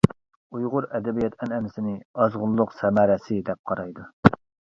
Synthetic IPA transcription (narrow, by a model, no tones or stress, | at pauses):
ujʁʊɾɛd̪ɛbijɛt̪ʰɛnɛnɪsɪnɪɑzʁʊlˠːʊqsɛmæɾɛsɪd̪ɛp̚qʰɑɾɑjd̪u